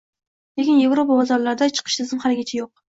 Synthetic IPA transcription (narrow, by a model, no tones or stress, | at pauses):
lekʲɪnje̞vɾopabazaɾlaɾɪd̪at͡ʃʰɨ̥qʰɨ̥ʃt̪ʰɪzɪmhalɪɡʲat͡ʃʰajoq̚